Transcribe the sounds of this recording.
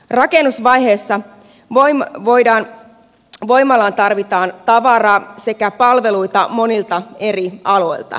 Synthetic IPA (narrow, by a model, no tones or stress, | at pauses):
rɑke̞nːusʋɑjɦe̞ːsːɑ | oʋojdɑːn | ʋo̞jmːɑlɑːnt̪ɑrʋit̪ɑːnt̪ɑʋɑrɑːse̞kæpɑlʋe̞luit̪ɑmo̞nilt̪ɑe̞riɑlo̞ilt̪ɑ̰